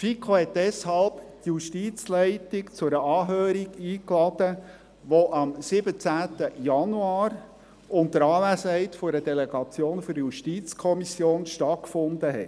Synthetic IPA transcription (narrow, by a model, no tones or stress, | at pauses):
fikʰohɛtd̥ɛshɑlptjuʃtiːt͡slɛɪtɪkt͡sʊɾəɑːɦøːɾiɡiːklɑd̥ə | ʋoʔɑmsɪbət͡sæːtəjɑnuaːɾ | ʔʊntəɾɑːlæsəhɛɪtfʊɾədɛleɡ̥ɑt͡sjoːnfyɾjuʃtiːt͡skʰɔmisjoːnʃtɑtkfʊndəɦɛt